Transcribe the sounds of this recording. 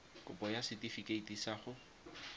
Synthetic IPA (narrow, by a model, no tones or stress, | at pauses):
kʼʊ̰pɔjasɪtifikeitisaːχʊ